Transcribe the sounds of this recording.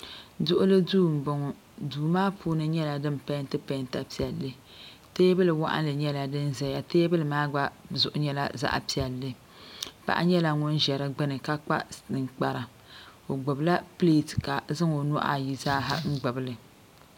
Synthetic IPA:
dʊ˦ʔʊ˦lɨ˦duː˦m̩˨bɔ˨ŋɔ˨ | duː˨maː˦pʰuː˦nɨ˦ɲɛ˦la˨dɨ˦mpa˦n˦tɨ˦pa˦nta˨pi˨ɛ˨lːɨ˦ | teː˦bɨ˦lɨ˨wa̰˦ʔa̰˦n˦lɨ˨ɲɛ˦la˨dɨ˦nzɛ˨ja˨teː˦bɨ˦lɨ˨maː˦ɡ͡ba˦zʊ˨ʔʊ˦ɲɛ˦la̰˦za̰˦ʔa̰˨pi˨ɛ˨lːɨ˦ | pa̰˨ʔa̰˦ɲɛ˦la˦ŋʊ˦n˦ʒɛ˨ɾɨ˦ɡ͡bɨ˦nɨ˨ka˦k͡pa˦nɨ˨ŋk͡pa˨ɾa˨ | o˨ɡ͡bʊ˨bla˦ple˦˨tka˨zɨ˦ŋo˨nɔ˦ʔa̰˨ji˨zaː˦ɦa̰˦ŋ̩˦ɡ͡bʊ˨bɨ˨˦lɨ˨

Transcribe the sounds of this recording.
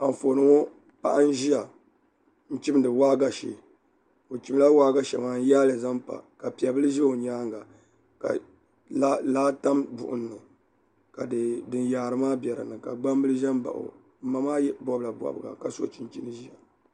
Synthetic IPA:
a˨ɱ˨fo˨nɨ˦ŋo˦ | pa̰˦ʔa˦n˦ʒi˦ja˨ | n̩˦t͡ʃi˦m˦dɨ˨waː˦ɡa˦ʃḛ˨ | o˨t͡ʃi˨bla˦waː˦ɡa˦ʃɛ˨maː˨n˦jaː˦lɨ˨za˦mpa̰˨ka˨pi˨a˨bɨ˦lɨ˦ʒɛ˦o˨ɲaː˦ŋɡa˨ | ka̰˨ | a˦laː˦ta˦mbʊ̰˨ʔʊ˨nː˨ɨ˨ | ka˨ddɨ˨njaː˨ɾɨ˨maː˦bjɛ˨ɾɨ̰˨nɨ˨ka˨ɡ͡ba˦m˦bɨ˦lɨ˦ʒɛ˦mba̰˨ʔʊ̰˨ | m̩˦ma˦maː˦jɛ˦bɔ˦bɨ˦la˨ba̰˨bɨ˨ɡa̰˨ka˨so̰˦t͡ʃi˦n˦t͡ʃi˦nɨ˦ʒi˦ja˨

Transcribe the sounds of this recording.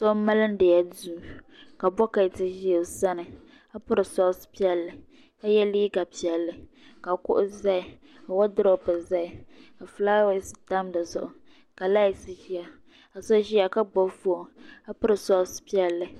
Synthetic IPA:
sɔ˦ma˦lɨ˦n˦dɨ˨ja˦duː˦ | ka˨bɔ˦ka˨tɪ˦ʒi˦o˨sa˦nɨ˨ | a˦pʊ˦ɾɨ˨sɔ˦spi˦ɛ˦lːɨ˨ | ka˦jɛ˦liː˦ɡa˨pi˨ɛ˨lːɨ˨ | ka˨kʊ̰˦ʔʊ˦za˦ɪ˨ | a˨wa˦dɨ˦ɾo˨pɨ˨za˦ɪ˨ka˨flaː˦wa˦sɨ̥˨ta˦mda˨zʊ̰˨ʔʊ˨ | ka˨la˦i˨sɨ˦ʒi˦a˨ | a˨sɔ˦ʒi˦a˨ka˦ɡ͡bɔ˦fu˦o˨a˦pʊ˦ɾɨ˨sɔ˦spi˦ɛ˦lːɨ˨

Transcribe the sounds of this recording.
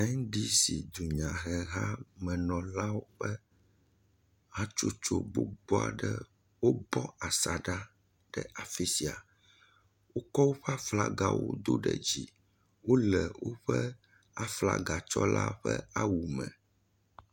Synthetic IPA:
ɛ˦ŋ˦ɖi˦si˨d̪u˨ɲã˨ɣɛ˨ɣa˦mɛ̃˨nɔ̃˨la˦wo˦ɸɛ˦ | ha˦t͡ʃo˦t͡ʃo˦˨bo˦bɔ˦a̰˨ɖɛ˦ | wo˦bɔ˦a˨sa˨ɖa˦ | ɖ̥ɛ˦ʔa˨fi˦si˨a˨ | wo˦kɔ˦wo˦ɸɛ˦a˦fla˦ɡa˨wo̰˦d̪o˦ɖɛ˨d͡ʑi˨ | wo˦lɛ˨wo˦ɸɛ˦ | a˨fla̰˦ɡa˨t͡ʃɔ˦la̰˦ɸɛ˦a˦wu˨mɛ̰̃˨

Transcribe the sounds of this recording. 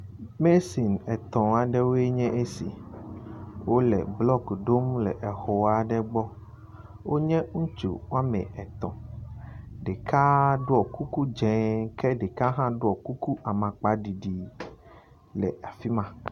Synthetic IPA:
me˦si˨nɛ˨t̪ɔ̃˨a˨ɖɛ˦wo˦e˦ɲɛ̃˦ʔe˦sḭ˨ | wo˦lɛ̰˨blɔ˦kɖo˦mlɛ˨ʔɛ˨xɔ˨wa˦ɖɛ˦ɡ͡bɔ˦ | wo˦ɲɛ̃˦ŋũ˦t͡ʃṵ˨wa˦mɛ̰̃˨ɛ˨t̪ɔ̰̃˨ | ɖe˨kʰa˦ɖo˦ɔ˨ku˦ku˦d͡ʒɛ̃˨˦kɛ˦ɖe˨ka˦ɦã˦ɖo˦ɔ˨ku˦ku˦ʔa˨mã˨k͡pa˦ɖi˨ɖi˨ | lɛ̰˨ʔa˨fi˦mã˨

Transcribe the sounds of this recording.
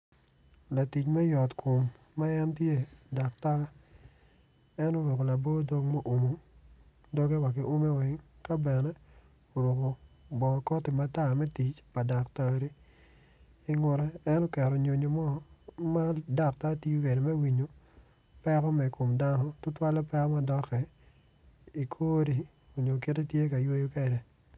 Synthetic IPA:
la˨ti˨t͡ʃmɛ˦jɔ˨tkʰo˨mː | a˦jɛ˦ntje˦da˨kta˦ | ɛ˦no˦ɾo˨ko˨la˨bo˦do˦ŋmɛ˦ʔo˨mo˨ | dɔ˦ɡe˦wa˨kɪ˨ʔo˦me˦wɛ˨˦ŋka˦bɛ˨nɛ˦ | o˨ɾo˨ko˨bɔ˨kɔ˦tɪ˨ma˨ta˦mɛ˦ti˨t͡ʃpa˨da˨kta˦˨ɾi˦ | i˦ŋʊ˨ɾɛː˦nɔ˦kɛ˨ɾɔ˨ɲo˨ɲo˨mɔ˦ma˦da˦k̚ta˦ti˦u˦ke˨ɾe˨mɛ˦wi˨ɲo˨ | pɛ˦kɔ˦mɛ˨ko˨mda˦nɔ˦tʊ˦twa˦lɔ˦pɛ˦kɔ˦ma˦dɔ˦kɛ˨ | i˨kʰoː˦ɾi˨ | o˨ɲo˨ke˦te˦tje˦ka˨jo˦jo˦kɛ˦˨dɛ˨

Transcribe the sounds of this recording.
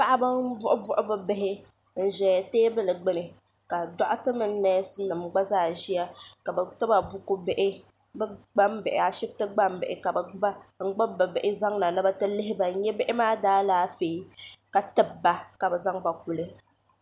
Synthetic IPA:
pa˦ʔa˦bɨ˦m˦bʊ˦ʔʊ˦bʊ˦ʔʊ˦bɨ˦bɪ˦ɦɪ˦ | n̩˨ʒɛ˨ja˨teː˦bɨ˦lɨ˨ɡ͡bɨ˦nɨ˨ | ka˨dɔ˦ʔʊ˦tɨ˦mɨ˦n˦nɛ˦sɨ˦nɨ˨mɡ͡ba˦zaː˦˨ʒi˦ja˦ka˨bɛ˨tɨ˦ba˨bu˦ku˦bɪ˦ʔɪ˦ | bɡ͡ba˦mbɪ˨ʔɪ˨a˨ʃɪ˦b̚tɨ˦ɡ͡ba˦mbɪ̰˨ʔɪ˨ka˨bɛ˨ba˦ŋ͡m̩˦ɡ͡bɨ˦bɨ˨bɪ˨ʔɪ˦za˦ŋna˨nɨ˦ba˦tɨ˦lɨ˦ɦɪ˦ba˨˦ɲɛ˦bɪ˦ʔɪ˦maː˦daː˦laː˦fe˨i˦ka˨tɨ˦bbːa˨ka˨bɛ˨za˦ŋba˨k̚u˨lɨ˦

